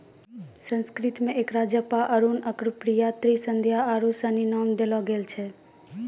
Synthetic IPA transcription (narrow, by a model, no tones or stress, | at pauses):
sə̃nskɾɪt̪mẽʔeːkɾad͡ʒjəpaʔəɾunəkɾupɾijat̪ɾisə̃nd̪ʱjaaɾusəninɔːmd̪elɔɡelt͡ʃʰɛ